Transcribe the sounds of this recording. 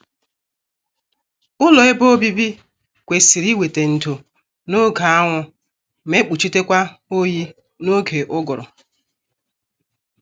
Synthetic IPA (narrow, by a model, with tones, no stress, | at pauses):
ʊ˦lɔ˨e˦bo˦bi˦bi˦ | kʷe˨si˨ɾi˦we˨te˨n̩˨tu˨ | no˦ɡa˨a˦ŋʷʊ˦ | me˦k͡pu˨t͡ʃi˦te˦kʷa˦o˦ji˦ | no˦ɡe˨ʔʊ˦ɡʊ˨ɾʊ̰˨